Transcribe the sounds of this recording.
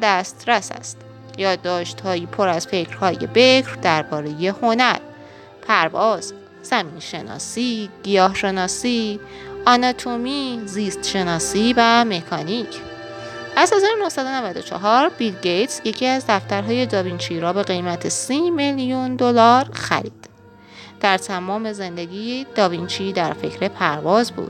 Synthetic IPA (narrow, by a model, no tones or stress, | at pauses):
d̪æst̪ɾæsæ̰st̪ | jɒːd̪ːɒːʃt̪hɒːjipʰoɾæzfe̞cʰɾ̥hɒːjḛbe̞cʰɾd̪æɾbɒːɾe̞je̞ho̞næɾ | pʰæɾvɒːz̥ | z̥æmiːnʃe̞nɒ̰ːsiːɡ̥ijɒːhʃe̞nɒːsi | ʔɒnɒt̪ʰomiːziːst̪ʃe̞nɒːsiːvæme̞kʰɒːnicʰ | ʔæzhe̞zɒːɾonohsæd̪o̞nævæd̪o̞t͡ʃʰɒ̰ɦɒɾbilɡejt̪ʰsje̞cʰiæzd̪æft̪æɾɦɒːje̞d̪ɒːvint͡ʃʰiɾɒːbe̞ɣe̞jmæt̪ʰe̞simeljund̪olɒːɾxæ̰ɾḭːd̪̥ | d̪̥æɾt̪ʰæmɒːme̞ze̞nd̪eɡiːed̪̥ɒːvint͡ʃʰiːd̪æɾfe̞̰cʰɾe̞pʰæɾvɒːzbṵːd̪̥̚